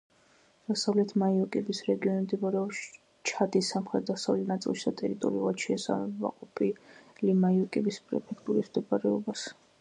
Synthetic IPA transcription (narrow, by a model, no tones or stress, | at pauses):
d̪̥asavlɛt̪ʰmaiɔkʼɛbisɾɛɡiɔnimd̪ibɔɾɛ | t͡ʃʰad̪isamχɾɛt̪̚d̪asavlɛt̪ʰnat̪sʼḭlˠʃid̪at̪ʼɛɾit̪ʼɔ̰ɾiulˠad̪̥ʃɛːsa̰mɛba̰qʼɔpʰilimaiɔkʼɛbispʼɾɛ̰pʰɛkʰt̪ʼuɾismd̪ɔbaɾɛɔbas